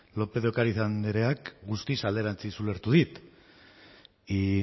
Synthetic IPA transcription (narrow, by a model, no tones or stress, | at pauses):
lo̞pe̞ðokaɾiθand̪eɾe̞akɡust̪isald̪e̞ɾant͡sisule̞ɾt̪uðit̪ | i